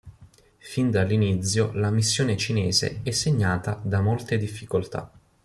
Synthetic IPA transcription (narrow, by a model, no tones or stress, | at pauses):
find̪alːinit̪sjolamisːjoːnet͡ʃinɛːzḛɛsːeɲːaːt̪ad̪amolt̪ed̪ifːikolt̪a̰